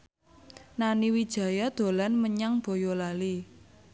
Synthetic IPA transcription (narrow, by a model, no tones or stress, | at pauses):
naniwid̥ʒ̥ä̤jad̪̥o̤lanməɲaŋb̥o̤jolali